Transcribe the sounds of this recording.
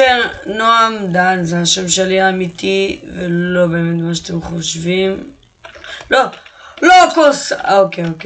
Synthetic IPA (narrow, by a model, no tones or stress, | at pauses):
enoamd̪anzehaʃemʃeliamit̪ivelo̞be̞ːmet̪maʃ̬at̪emχoʃvim | lolokosokeoke